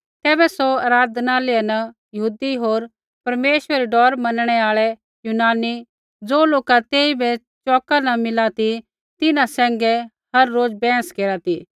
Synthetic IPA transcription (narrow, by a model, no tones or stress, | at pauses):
t̪ɛːbɛsoɐːɾaːd̪naːlɪanɐjɐɦuːd̪iɦoːɾ | pɐɾmeːʃʋɛɾiɖɔːɾmɐnɽ̃ɛaːɭɛ | junaːni | d͡zoːloːkat̪eːibɛ | t͡ʃɔːkanɐmɪlat̪i | t̪ɪnãsɛ̃ːŋɡɛ | hɐɾːoːd͡zbɛ̃ːskeːɾat̪i